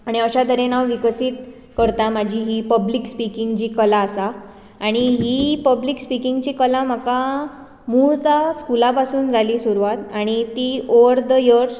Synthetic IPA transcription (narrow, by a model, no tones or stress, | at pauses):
aɽ̃iəɕad̪ʱəɾenaʋʋikəsiːt̪ | kəɾt̪amad͡ʑʱiɦipəblikspikiŋɡd͡ʑiːkəlaəsa | aɽ̃iɦipəblikspikiŋɡt͡ɕiːkəlam̤əka | muːɭt̪askulapasuːnd͡zʱaliːsuɾʋat̪aɽ̃it̪ioʋəɾd̪əjəɾs